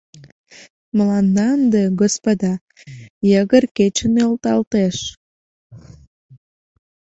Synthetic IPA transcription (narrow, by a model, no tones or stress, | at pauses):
məlɑnd̪ɑnd̪eɣospod̪ɑ | jəɣərket͡ɕənølt̪ɑlt̪eʃ